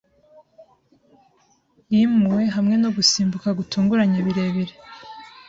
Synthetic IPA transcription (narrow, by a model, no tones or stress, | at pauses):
jimuwe̞ɦamŋe̞no̞ɡusiːmbukaɡutuːŋɡuɾaɲeβiɾeβiɾe